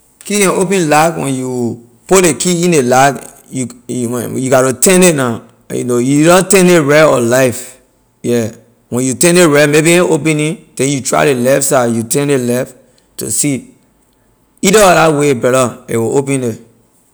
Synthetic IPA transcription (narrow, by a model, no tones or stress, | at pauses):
kiɛ̃opɛ̃nlakwɛ̰̃nju | polekʰiĩndelak | juwɛ̰̃njuɡaɾotɛ̃nena | jṵnojuiɾɔ̃tɛ̃neɹɛɔlaɪf | jɛ | wɛ̃njutɛ̃neɹɛmebiɛ̃opɛ̃nĩd̥ɛ̃njutɹa̰ɪlelɛfsajutɛ̃nelɛf | to̰si | idɔɔdawebɛɾɔḛwoʔopɛ̃ne